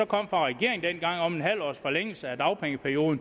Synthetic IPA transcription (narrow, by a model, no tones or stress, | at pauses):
ɒ̽kʰɒ̽m̰fʁɑ̈ʁɛɡ̥e̝ɐ̰eŋn̩d̥enɡ̥ɑ̈ŋ̰ɒ̽me̝nɦæl̰ɒ̰ːsfɒ̽leŋ̰l̩səæd̥ɑ̈ʊpʰeŋəpʰæɐijo̝ːðˠn̩